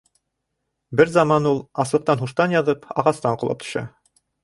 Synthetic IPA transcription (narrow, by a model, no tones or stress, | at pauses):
bɘɾzɑmɑnulˠɑslˠɤ̆q̚t̪ɑnɦuʃt̪ɑnjɑðɤpɑ̰ʁɑst̪ɑɴqŏlˠɑ̰p̚t̪ɵ̥̆ɕʃɑ̰